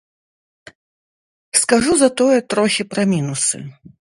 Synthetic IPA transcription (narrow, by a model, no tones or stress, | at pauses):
skɐʐuzɐt̪ɔjɛt̪ɾɔxʲɪpɾɐmʲinusɨ̰